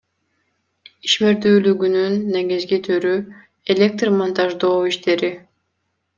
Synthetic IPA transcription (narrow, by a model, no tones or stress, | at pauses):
i̥ʃmeɾt̪yːlʲyɡʲynynːeɡʲizɡʲit̪ʰyɾy | elʲek̚t̪rmont̪ʰaʒd̪oːiʃt̪ʰeɾi